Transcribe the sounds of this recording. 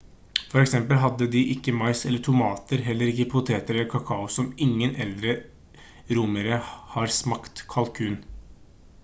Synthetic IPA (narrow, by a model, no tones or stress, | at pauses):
fɔɾɛksɛmpəlɦɑd̪ːəd̪ɪʔɪkːəmɑɪsɛlːəʈʰʊmɑːt̪əɾɦɛlːəɾɪkːəpʰʊt̪ʰeːt̪əɾɛlːəɾkʰɑkʰɑʊsɔmɪŋːənɛld̪ɾə | ɾʊməɾəhɑɾsmɑkt̪kʰɑlkʰʉːn